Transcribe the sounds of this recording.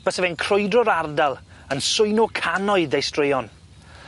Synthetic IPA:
b̥əsəvɛnkʰr̥ʊjdrɔɾardalˠ | ənsʊjnɔkʰanɔɨðejstrɪjɔn

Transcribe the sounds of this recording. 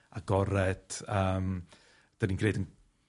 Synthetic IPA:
aɡɔɾɛd̥əːm | d̥ənĩnkreːdən

